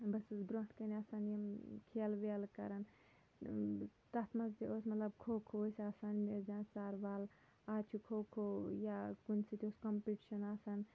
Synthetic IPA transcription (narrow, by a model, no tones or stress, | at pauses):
bɐsusbɾoɦʈkɐniɐsanjimkʰeːlʋelkɐɾɐn | t̪ɐt̪ʰmɐzt̪ioːsmɐt̪lɐbkʰoːkʰoːsasanmezãːnsaɾʋaːl | at͡ʃʰukʰoːkʰojakunʲsit̪ʲioskɐmpiʈiʃɐnaːsan